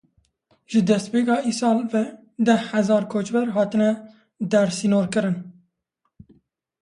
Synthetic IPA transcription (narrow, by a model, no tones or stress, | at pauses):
ʒ̥ɨd̪ɛst̪peːkɑːʔisɑːlvɛ | d̪ɛhhɛzɑːɾkʰoːt͡ʃbɛɾɦɑːt̪ɨnɛ | d̪ɛɾsinoːɾkɨɾɨn